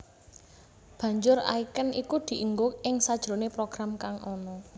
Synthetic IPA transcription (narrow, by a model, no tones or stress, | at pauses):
b̥ä̤ɲd͡ʒʊra̰ikənikud̪̥i̤ʔəŋɡʊkɪŋsad̥ʒ̥ɾo̤nepɾoɡ̥ɾamkaŋʔɔnɔ